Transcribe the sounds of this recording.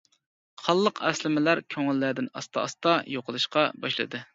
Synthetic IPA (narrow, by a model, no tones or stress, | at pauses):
χɑlˠːəqʰɛ̰slɪmɪlæɾkʲʰøŋɪlːæd̪ɪnɑ̰st̪ɑɑ̰st̪ɑjoqəlˠɨʃqɑbɑʃlˠɨ̰d̪ɨ